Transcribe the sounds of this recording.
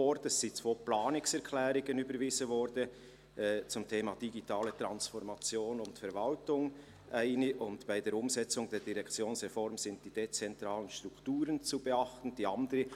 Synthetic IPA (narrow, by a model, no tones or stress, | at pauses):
ɔɾdɛsːit͡svoːplaːnɪksɛɾkʰlɛːɾɪɡənybəɾviːzən̩vɔɾdə | ʔɛt͡sʊmtʰeːmɑd̥iɡitʰaːlətɾɑnsfɔɾmɑt͡sjoːnʊntfɛɾvɑltʊŋ | ʔaɪnəʔʊntb̥aɪdeːɾʊmzɛt͡sʊŋdeːɾd̥iʁɛkt͡sjoːnsʁɛfɔɾmzɪntd̥iːd̥et͡sɛntɾaːlənʃtɾukʰtuːɾənt͡subeɑχtn̩d̥iːɑndəɾə